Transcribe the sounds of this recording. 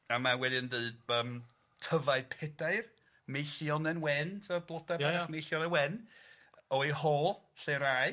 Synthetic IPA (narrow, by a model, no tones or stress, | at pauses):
amawɛdɨndɨɨd̚əːm | tʰəvaɨpʰɛdaɨr | mejɬjɔnɛnwɛntʰəblˠɔdaaχmejɬjɔnɛnwɛn | ɔhɔːlˠɬeɾaj